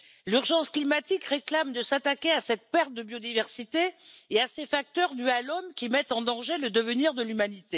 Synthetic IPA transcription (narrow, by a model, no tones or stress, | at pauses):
lyʁʒɑ̃sklimat̪ikʁeklamd̪əsat̪akʲeasɛt̪̚pɛʁt̪̚d̪əbjod̪ivɛʁsit̪eeasefak̚t̪œʁd̪yalɔmkʲimɛt̪ɑ̃d̪ɑ̃ʒeləd̪əvəniʁd̪əlymanit̪e